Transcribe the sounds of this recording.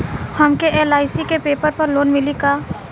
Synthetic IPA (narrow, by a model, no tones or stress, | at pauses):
hɐmkeʔeːlaːɪsikepeːpəɾpɐɾloːnmɪlikaː